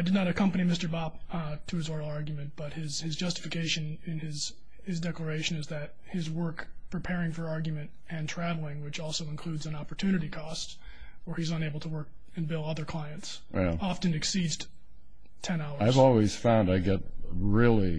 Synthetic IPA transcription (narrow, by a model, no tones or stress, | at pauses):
ɪdɨdnəɾɨkʰʌ̃mpɨnimɪstə˞bɑp̚tʰɨɨzɔɹɾl̩ˠɑɹɡjmɨ̃nb̥ʌt̚hɪz̥ɨzd͡ʒʌstə̥fɨkʰeɪʃɨ̃nɪ̃nɪz̥ | ɨzdɛklə˞eɪʃɨ̃nɨzðɨt̚hɪzwɜ˞kpʰɹ̥ipʰɛɹɪ̃ŋfə˞ɑɹɡjmɨ̃nt | ɨ̃ntʰɹ̥ævl̩ˠɪ̃ŋwɨt͡ʃɔlˠsoʊə̃nkʰl̥ʉdzɨ̃nɑpə˞tʰʉñɨɾikʰɔst | wə˞izə̃neɪbl̩ˠtʰəwɜ˞k̚ | ɨ̃nbɪlˠʌðə˞kʰl̥aɪɨ̃nts | jæ̰ɑftɨ̃nɨksidz̥ | tʰɛ̃naʊə˞aɪvɔlˠwiz̥fãʊ̃ndaɪɡɛt̚ɹɪlˠi